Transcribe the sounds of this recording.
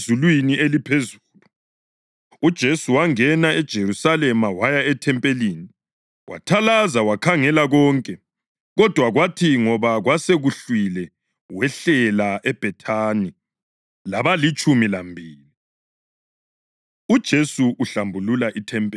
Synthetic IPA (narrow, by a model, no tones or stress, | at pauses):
zulwinielipʰezuːlu | ud̥ʒ̥ʱesuwaŋɛnaɛd̥ʒ̥ʱerusalɛmawajaɛtʰɛmpʼeliːni | wʔa̰tʰalazawakʰaŋɛlaɣɔŋkʼɛ | ɣɔd̥ʱwaɣwatʰiŋɔβaɣwaseɣuɬwilɛ | wɛɬɛlaʔɛb̥ʱɛtʰani | laβalit͡ʃʼumilambʱiːli | ud̥ʒ̥ʱesuʔːɬambʱululaʔitʰɛmpʼɛ